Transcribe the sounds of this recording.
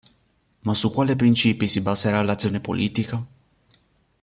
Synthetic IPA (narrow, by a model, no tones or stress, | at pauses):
masukwalepɾint͡ʃipisibazeɾalat̪siunepo̰lʔit̪ikə